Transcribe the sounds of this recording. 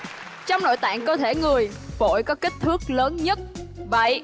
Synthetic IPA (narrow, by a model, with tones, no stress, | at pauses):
t͡ɕɔ˧wŋ͡mno̰˧˨jt̪a̰ː˧˨ŋkəː˧t̪ʰe˧˩ŋɨ˨˩əj | vo̰˧˨jkɔ˨˦ki˦˥k̟̚t̪ʰɨ˦˥ək̚ləː˨˦nɲə˦˥t̚və̰˧˨j